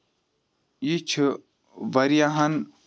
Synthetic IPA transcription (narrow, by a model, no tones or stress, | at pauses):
it͡ʃʰ | ʋɐɾijaɦɐn